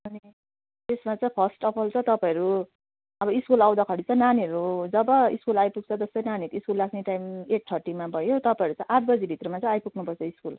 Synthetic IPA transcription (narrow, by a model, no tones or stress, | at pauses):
ʌni | t̪esmat͡sʌ̃j̃pʰʌsʈʌpʰʌlt͡sʰʌt̪ʌpãʌɾu | ʌbʌiskulaw̃d̪akʰʌɽit͡sʰʌ̃naniʌɾud͡zʌbʌḭskulajpuk̚t͡sʰʌd͡zʌsʌjnaniɾiskulːakʰneʈajmeʈ̚ʈʰʌrʈimabʱʌjot̪ʌpaeɾut͡saj̃ʔaʈ̚ʰbʌd͡zibʱit̪rʌmat͡saĩajpukʰnupʌrt͡sʰʌiskul